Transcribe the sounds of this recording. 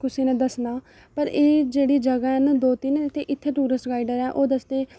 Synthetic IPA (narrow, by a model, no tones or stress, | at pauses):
kʊsiːnẽːd̪əsnaː | pəɾeːd͡ʒeːɽiːd͡ʒəɡaːɦɛnd̪oːt̪inɪt̪ʰːeʔɪt̪ʰːeːʈuːɾəsɡaːiɖəɾɛ̃ːʔoːd̪əsd̪eː